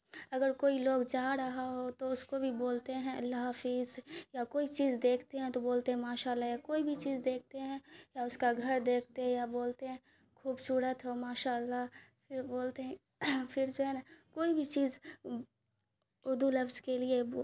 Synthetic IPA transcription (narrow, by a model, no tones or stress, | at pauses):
ɐɡəɾkoːiloːɡd͡ʒaːɾɐɦaɦot̪oʊskobʱiboːlt̪eɦɛ̃ɐlːaɦɦɐfiːzjakoːit͡ʃiːzd̪eːkʰt̪eɦɛ̃t̪oboːlt̪eɦɛ̃maːʃaːəlːajakoːibʱit͡ʃiːzd̪eːk̚ʰt̪eɦɛ̃jaʊskaɡʱɐɾd̪eːk̚ʰt̪eɦɛ̃jaboːlt̪eɦɛ̃ | kʰuːbsuːɾət̪ɦomaːʃaːlːapʰɪɾboːlt̪eɦɛ̃ | fʰɪɾd͡ʒoːɦɛnakoːibʱit͡ʃiːz | ʊɾd̪ulɐfzkelie